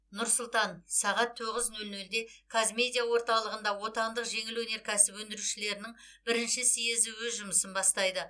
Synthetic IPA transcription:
nʊɾsʊlˠt̪ɑnsɑʁɑt̪ʰːoʁəznɵlnɵld̪e̞kʰazmʲe̞d̪ʲijawo̞ɾt̪ɑlˠəʁənd̪ɑwo̞t̪ɑnd̪əqʒe̞ŋɪlwɵne̞ɾkʲʰæsɪpwɵnd̪ɪɾuʃɪle̞ɾɪnɪŋ | bɪɾɪnʃɪsijezɪwɵzʒʊməsənbɑst̪ɑjd̪ə

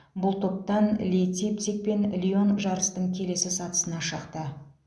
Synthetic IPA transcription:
bʊlˠt̪ʰo̞p̚t̪ɑnlʲejt̪sip̚t̪sik̚pe̞nlʲio̞nʒɑɾəst̪əɴkʲʰe̞le̞sɪsɑt̪ə̥sənɑʃəqt̪ə

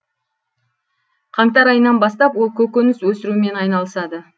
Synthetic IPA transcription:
qʰɑŋt̪ɑɾɑjənːɑnbɑst̪ɑpwo̞lˠkʲʰɵkʲɵnɪswɵsɪɾume̞nɑjnɑlˠəsɑd̪ə

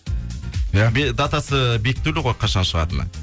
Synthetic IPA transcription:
jabed̪ɑt̪ɑsəbe̞kʲt̪ulɪʁo̞jqʰɑʃɑnʃəʁɑ̰t̪ən̰

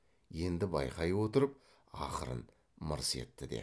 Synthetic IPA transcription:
je̞nd̪ɪbɑjqɑjwo̞t̪əɾəp̚ | ɑ̰qəɾə̰n | məɾse̞̰t̪ːɪd̪ḛ

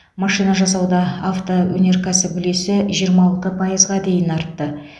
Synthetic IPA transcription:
mɑʃijnɑʒɑsɑwd̪ɑaft̪owɵne̞ɾkʰɑsɪbʏle̞sɪʒijəɾmɑlˠt̪əpʰɑjəzʁɑd̪e̞jɪnɑɾt̪ːə

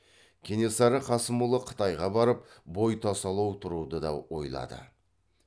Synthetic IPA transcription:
kʲʰene̞sɑɾəqʰɑsəmulˠəqʰə̥t̪ɑjʁɑbɑɾəpbo̞jt̪ʰɑsɑlˠɑwt̪ʰʊɾud̪əd̪ɑ̰wo̞̰jlˠɑ̰d̪ə̰

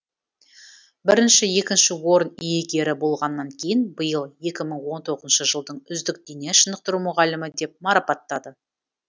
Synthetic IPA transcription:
bɪɾɪnʃɪje̞kʲɪnʃɪwo̞ɾənijeɡʲe̞ɾɪbo̞lˠʁɑnːɑŋkʲʰe̞jɪnbəjəlˠje̞kʲɪməɴwo̞nt̪ʰo̞ʁəzənʃəʒəlˠd̪əɴʏzd̪ɪk̚d̪ejneʃənəqt̪əɾumʊʁɑlɪmɪd̪e̞p̚mɑɾɑpɑt̪ːɑd̪ə

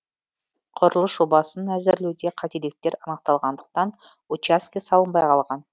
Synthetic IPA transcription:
qʰʊɾəlˠəsʒobɑsənæzɪɾlewd̪e̞qʰɑt̪elek̚t̪e̞ɾɑnəqt̪ɑlˠʁɑnd̪əq̚t̪ɑn | ot͡ʃaskʲisɑlˠəmbɑjqʰɑlˠʁɑn

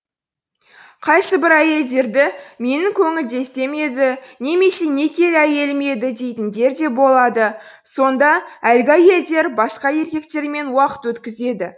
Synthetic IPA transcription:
qʰɑjsəbɪɾæje̞ld̪e̞ɾd̪ɪme̞nɪŋkʲʰɵŋɪld̪e̞st̪e̞me̞d̪ɪne̞me̞se̞ne̞kʲʰe̞læje̞lme̞d̪ɪd̪e̞jt̪ɪnd̪e̞ɾd̪e̞bo̞lˠɑd̪ə | so̞nd̪ɑælɡʲɪæje̞ld̪e̞ɾbɑsqɑje̞ɾkʲe̞kt̪e̞ɾme̞nwɑqə̥t̪wɵt̪kʲɪze̞d̪ɪ

